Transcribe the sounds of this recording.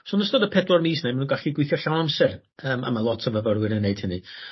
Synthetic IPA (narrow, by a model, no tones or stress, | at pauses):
sonəstɔdəpʰɛdlˠɔrmiːsnejmanuːnɡaɬiɡwɪθjɔɬawnamsɛr | əːma̰malˠɔtʰɔvəvərwɪɾənːeɨd̥hɪni